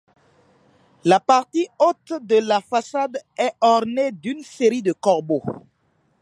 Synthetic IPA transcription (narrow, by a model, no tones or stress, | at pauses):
lapaʁt̪iot̪d̪əlafasad̪ɛɔʁned̪ynseʁid̪əkɔʁbo